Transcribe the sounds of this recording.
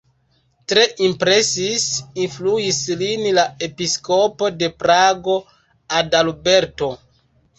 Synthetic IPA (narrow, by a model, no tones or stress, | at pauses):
tɾe̞ʔimpɾe̞sisinfluislinlae̞pisko̞po̞de̞pɾaɡo | adalbe̞ɾto̞